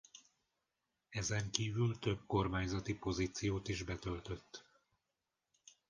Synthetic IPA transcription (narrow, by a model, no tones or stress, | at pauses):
ɛzɛŋkiːvylt̪ø̞b̚ko̞rmaːɲzɒt̪ipo̞ziːt̪sijoːt̪iʒbɛt̪ø̞lt̪ø̞t̪ː